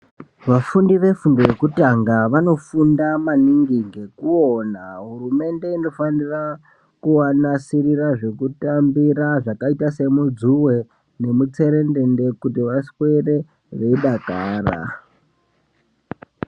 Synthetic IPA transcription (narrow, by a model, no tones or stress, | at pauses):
ʋafundiʋe̞fundo̞je̞kutaŋɡaʋano̞fundamaniŋɡiŋɡe̞kuonaɦurume̞nde̞ino̞fanira | kuwanasiɾiɾaʐe̞kutambiɾaʐakaitase̞mud͡zuwe̞ | ne̞mut͡se̞ɾe̞nde̞nde̞kutiʋaswe̞re̞ | ʋe̞iɗakaːra̰